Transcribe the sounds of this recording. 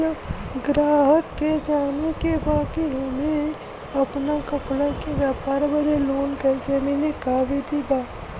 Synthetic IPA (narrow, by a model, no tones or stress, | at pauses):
ɡɾaːɦəkked͡ʒaːnekebaːkiɦɐmẽ | ɐpnakəpɽakeʋjaːpaːɾbəd̪eloːnkɛːsemɪlekaːbʱid̪ibaːt̪